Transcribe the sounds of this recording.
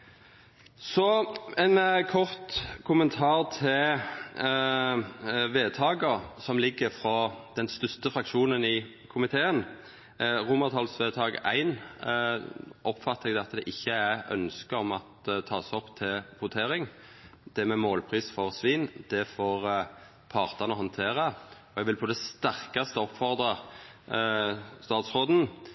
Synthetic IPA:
sɔænkʰɔʁt̪kʰʊmənt̪ʰɑːʁt̪ʰɪ | ʋeːt̪ʰɑːɡəʁsɔmlɪɡːəfɾɑd̪̥ɛnst̪ʏst̪əfɾɑkʃuːnənɪ | kʰʊmɪt̪ʰeːən | ʁʊmɑʁt̪ʰɑlsʋeːt̪ʰɑːɡæ̰ɪn | ʔɔpːfɑt̪ːəɛɡ̪ɛɑt̪ːd̪ɛʔɪçːəæœ̰nskəɔmɑt̪t̪ʰːɑːsɔpːt̪ʰɪlhʊt̪ʰeːɾɪŋ | d̪̥ɛmɛmoːlpʰʁiːsfɔʁsʋiːnd̪̥ɛfoːʁ | pʰɑʁt̪ɑnəɦɔnt̪ʰeːʁɑɔɛɡʋɪlpʰɔd̪ɛst̪æʁkɑst̪əɔpfɔʁd̪ʁɑ | st̪ɑːt̪sʁoːd̪n̩

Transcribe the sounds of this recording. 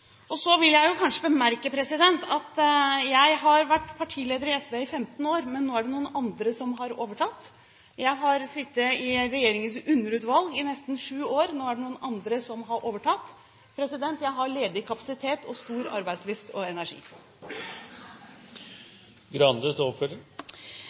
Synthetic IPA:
ʔɔsɔʋɪljæɪjʊkʰɑnʂəbəmæɾkəpʰɾɛsɪd̪ɛnt̪ɑt̪jæɪɦɑɾʋæʈːpʰɑʈʰiːleːd̪əɾɪɛsʋeɪfɛmt̪ən̩oːɾmɛnːoːæɖɛnuːənʔɑnd̪ɾəsɔmɦɑɾoːʋəʈʰɑt̪ː | jæɪɦɑɾsɪt̪ːəɪɾɛjeːɾɪŋənsʉnːəɾʉːt̪ʋɑlɡɪnɛst̪n̩ʂʉːoːɾnoːæɖɛnuːənʔɑnd̪ɾəsɔmɦɑɾʔoːʋəʈʰɑt̪ː | pʰɾɛsɪd̪ɛnt̪jæɪɦɑɭeːd̪ɪkʰɑpɑ̥sɪt̪ʰeːt̪ɔst̪uːɾɑ̰ɾbæɪslʏft̪ʰɔɛnæʂḭː | ɡɾɑnd̪ət̪ɔfəl

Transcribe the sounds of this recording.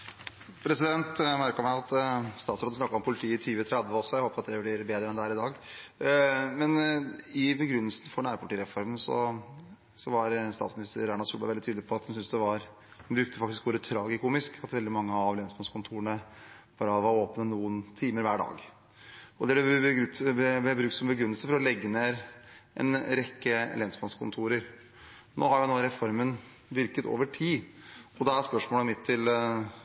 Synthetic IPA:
pʰɾɛsɪd̪ɛnt̪mæɾkəɾmæɪɑt̪st̪ɑːt̪sɾɑːd̪snɑkːɑɾɔmpʰʊlɪt̪ʰiːɪt̪ʰyːʋət̪ʰɾɛd̪ʋəɔsːɔjæɪhoːpəɾɑt̪d̪ɛblɪɾbeːd̪ɾəɛnd̪ɛhæːɾɪd̪ɑːɡ | mɛnɪbəɡɾʏnːəlsn̩fɔɳæːɾpʰɑʈiːɾɛfɔɾmənsɔ̰ | sɔʋɑɾst̪ɑ̰t̪smɪnɪst̪ə̰ɾænɑsuːlbɑɪʋɛlɪt̪yːd̪ɪpʰɔɑt̪hʉnsʏnsd̪ɛʋɑɾ | nbɾʉk̚t̪əfɑkt̪ɪskʋɔɾət̪ʰɾɑːɡɛk̪umɪskʰɑt̪ʋɛld̪ɪmɑŋːəɑʋleːnɪsmɑskʰʊnt̪ʰuːɾəɳə | b̥ɑːɾəʋɔoːpnənuːənt̪ʰiːməɾʋæːɖɑ̰ːɡ | ɔd̪ɛɖɛ | ɛbɾʉkt̪sɔmbəɡɾʉnːəlsəfɔɾɔlɛɡːəneːɾʔɛ̰nɾɛkːəlɛnsbɑnskʰʊnt̪ʰuːɾəɾ | no̰ːhɑɾjʊnoːɾɛfɔɾmən | ʋɪɾkət̪o̰ːʋəʈʰiːɔd̪ɛæspœʂmoːləmɪt̪ʰːɪl

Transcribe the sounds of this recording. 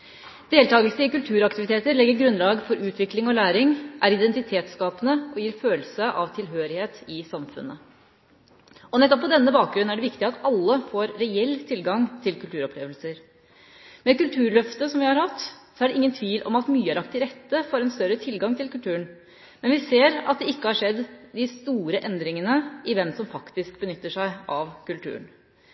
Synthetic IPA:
d̪̥eːlt̪ɑːɡəlsəɪkʉlt̪ʰʉːɾɑkt̪ɪʋɪt̪ʰeːt̪əɾɭɛɡːəɾɡɾʉnlɑːɡfɔɾʉːt̪ʰʋɪklɪŋɔlæːɾɪŋʔæɾɪd̪ɛnt̪ɪt̪ʰeːt̪skɑːpənəʔɔjiːɾføːləsəʔɑʋt̪ʰɪlɦøːɾɪheːt̪ɪsɑmfʉ̰nːə | ɔnɛt̪ːɔpʰːɔd̪ɛnːəbɑːk̚ɡɾʉnæɖɛʋɪkt̪ɪɑt̪ɑlːəfoːɾːɛɛlːt̪ʰɪlɡɑŋt̪ʰɪlkʉlt̪ʉːɾɔplḛːʋəlsəɾ | mɛkʉlt̪ʰʉːɾɭœft̪əsɔmʋɪhɑɾhɑt̪ːsɔæɖɛʔɪŋːənt̪ʰʋiːlʔɔ̰mɑt̪myːəæɾɑk̚t̪ɪɾɛt̪ːəfoːɾɛnst̪œɾət̪ʰɪlɡɑŋt̪ʰɪlkʉlt̪ʰʉːən | mɛnʋɪseːɾɑt̪̚d̪ɛɪkːəhɑʂɛd̪ːd̪ɪst̪uːɾəʔɛnd̪ɾɪŋənəʔɪʋɛmsɔmfɑkt̪ɪskbənʏt̪ːəʂæɪʔɑʋkʉlt̪ʰʉ̰ːɳn

